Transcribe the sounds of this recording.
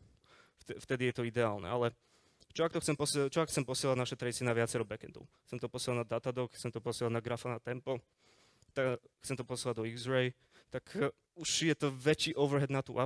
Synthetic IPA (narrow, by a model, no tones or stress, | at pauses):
tɛft̪ɛd̪ijɛt̪ɔid̪ɛaːlnɛ̰alɛ | t͡ʃɔakt̪ɔxt͡sɛmpɔst͡ʃɔakxt͡sɛmpɔsɪɛladʲnaʃɛt̪ɾad̪it͡sɪɛnaʋɪat͡sɛɾɔbɛkɛnd̪ɔ̰ʊxt͡sɛmt̪ɔpɔsjɛlanad̪at̪ad̪ɔkxtt͡ssɛmt̪ɔpɔsɪɛlanaɡɾafanat̪ɛmpɔ | t̪a | xt͡sɛmt̪ɔpɔsɪɛlaɟd̪ɔiɡzɾɛj | t̪ak | uʃjɛt̪ɔʋɛt͡ʃiːʔɔʊʋɾɦɛd̪nat̪ṵʔa